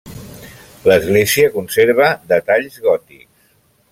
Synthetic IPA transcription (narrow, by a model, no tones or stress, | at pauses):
ləzɣleziəkunseɾβ̞əd̪ət̪aʎzɣɔt̪iks